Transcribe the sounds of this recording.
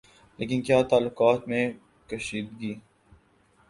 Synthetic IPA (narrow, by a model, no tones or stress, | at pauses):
leːkɪnkjaːt̪aːlːʊqaːt̪mẽ | kɐʃiːd̪̚ɡiː